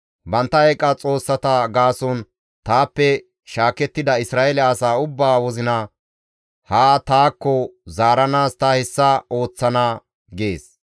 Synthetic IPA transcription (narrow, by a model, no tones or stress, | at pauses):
bɐnt̪ːɐɛkʼːɐt͡sʼo̞ːsːɐt̪ɐɡaːsɔn | t̪aːpːɛ | ʃaːkɛt̪ːɪd̪ɐɪsɾaːɛlɛɐsaːʊbːaːwɔzɪnɐ | haːt̪aːkːɔzaːɾɐnaːst̪ɐhɛsːɐo̞ːt͡sːɐnaː | ɡe̞ːs